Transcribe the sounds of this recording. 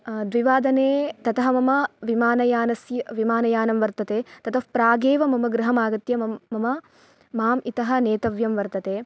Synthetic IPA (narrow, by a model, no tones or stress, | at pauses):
d̪ʋiʋaːd̪ɐneːt̪ɐt̪ɐɦɐmɐmɐʋimaːnɐjaːnɐsjɐʋimaːnɐjaːnɐmʋɐɾt̪ɐt̪eːt̪ɐt̪ʰɐfpɾaːɡeːʋɐmɐmɐɡɾɐɦɐmaːɡɐt̪jɐmɐɐmɐ | maːmit̪ɐɦɐ̆neːt̪ɐʋjɐmʋɐɾt̪ɐt̪eː